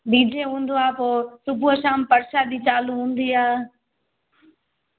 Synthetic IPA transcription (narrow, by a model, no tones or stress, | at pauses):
biːd͡ʒʱeːɦũːn̆d̪oaːpoːsʊbʱuəʃaːmpəɾʃaːd̪iːt͡ʃaːluɦũːnd̪iːaː